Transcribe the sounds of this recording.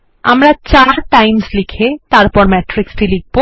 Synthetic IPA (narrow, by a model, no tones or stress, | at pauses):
a̰mɾat͡ɕaɾʈajmslikʰet̪aɾpɔɾmɛʈɾiksʈiliɡ̚bo